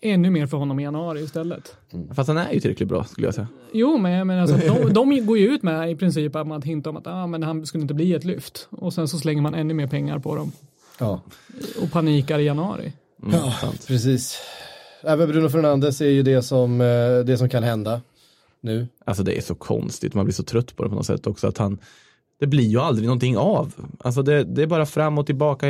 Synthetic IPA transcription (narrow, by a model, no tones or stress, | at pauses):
ʔɛnːɵmeːɾfœɾhɔnːɔmɪjanɵɑːɾɪɪst̪ɛlːət̪ | fast̪hanæ̰ɾjɵtʰɪlɾɛklɪt̪̚bɾɑ̰ːskɵlːəja̰sɛja | juːmɛnjameːnalsɔd̪ɔmd̪ɔmɡoːɾjɵʉ̟ːt̪mɛɪpʰɾɪns̬iːpat̪manat̪hɪnt̪aɔma̰t̪ɑːmɛnhanskɵləɪt̪əbliːɛt̪lʏft̪ɔsɛnsɔs̬lɛŋːəɾmanɛnːɵmeːɾpʰɛŋːa̰ɾpʰɔd̪ɔm | ɑɔ̰pʰaniːkaɾɪjanɵɑ̰ːɾɪ̰ | sa̰mt̪pʰɾɛsiːs | ɛːvənbɾʉ̟ːnəf̬œɾɳand̪əsæɾjɵd̪ɛsɔmd̪ɛsɔmkʰanhɦɛnd̪a | nʉ̟ːʔalsɔd̪ɛ̰æ̰ʂɔkʰɔ̰nst̪ɪ̰t̪manblɪʂɔt̪ʰɾœt̪ːpʰɔd̪ɛpʰɔnɔ̰t̪sɛ̰t̪ːɔksɔa̰t̪han | d̪̥ɛblɪɾjɵald̪ɾɪɡnɔnt̪ʰɪŋːavʔa̰ls̬ɔd̪ɛd̪ɛːɾbɑːɾafɾamːɔt̪ʰːɪlbɑːka